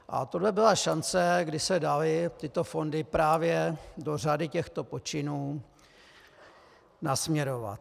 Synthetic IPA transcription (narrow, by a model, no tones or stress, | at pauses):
ʔa̰t̪odlɛbɪlaʃant͡sɛɡdɪsɛdalɪt̪ɪt̪o̞fo̞ndɪpɾaːvjɛdo̞r̝adɪcɛxt̪o̞po̞t͡ʃɪnuː | nasmɲɛɾo̞va̰t̪̚